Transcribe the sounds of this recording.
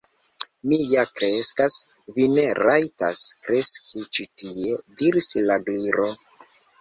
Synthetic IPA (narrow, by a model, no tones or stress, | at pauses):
mijakɾe̞skas | vine̞ɾajta̰skɾe̞skʰit͡ʃitiediɾislaɡliɾo